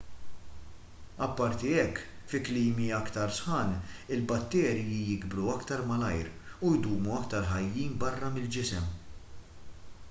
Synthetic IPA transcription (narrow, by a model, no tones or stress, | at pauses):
ɐpːɐɾt̪iɛkːfɪkliːmiɐkt̪ɐɾsħɐːnɪlbɐt̪ːɛːɾjijɪɡbɾuɐkt̪ɐɾmɐlɐjɾujd̪uːmuɐkt̪ɐɾħɐjːiːnbɐrːɐmɪld͡ʒɪsɛm